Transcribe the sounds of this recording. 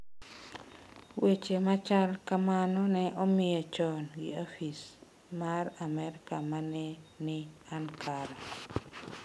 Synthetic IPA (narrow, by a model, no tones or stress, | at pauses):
wet͡ʃemat͡ʃalkamanɔnɛʔomɪjet͡ʃɔnɡɪ̰ofis | maɾamɛɾɪkamanɛnɪankʰaɾa